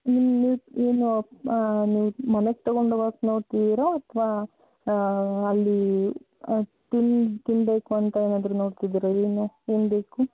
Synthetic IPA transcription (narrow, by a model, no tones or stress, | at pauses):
nimiːeːnu | niːʋumɐneɡ̚t̪ɐɡoɳɖoʋaːknoːɖt̪id̪iɾoɐt̪ʰʋaː | ɐlːi | t̪int̪inbe̞ːkuɐnt̪ɐeːnaːd̪ɾuno̞ːɽt̪id̪iːɾoeːnue̞ːnbe̞ːku